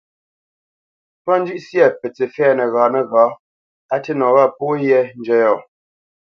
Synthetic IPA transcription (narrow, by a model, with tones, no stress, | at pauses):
pɔ˦n˦d͡ʒʉ˦ʔsjɛ˦˨pɛ˨t͡se˨fɛː˦˨nə˨ɣaː˨˦nə˦ɣaː˨˦ | a˦tɛ˦nɔ̃˨ɣa˦˨po˦jɛ˦n˦d͡ʒɛ˦jɔ˦˨